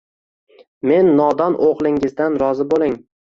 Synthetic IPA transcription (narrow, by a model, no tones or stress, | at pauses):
me̞nːɒd̪ɒnʔoqlˠɪŋɪzd̪anɾɒzɪbolɪŋ